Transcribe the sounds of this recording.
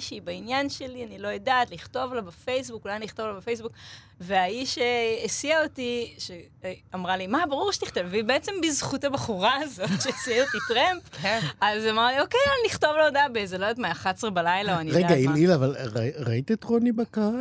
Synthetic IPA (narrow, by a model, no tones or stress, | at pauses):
ʃibainjanʃelianilo̞jadat̪liχt̪o̞vlabafejs̬bukulajaniiχt̪o̞vlabefejs̬buk | veaiʃeːsiaotiʃe | amʁalimabaʁuʁʃe̥t̪iχt̪ovveibeet͡se̞mbizχutabaχuʁaːzo̞tʃeesiaotitʁempazamaʁlio̞kejanliχt̪o̞vloodabezelodot̪̬majaχasʁebalajlaoaniʁeɡaimilavalʁaʁait̪et̪ʁonibaka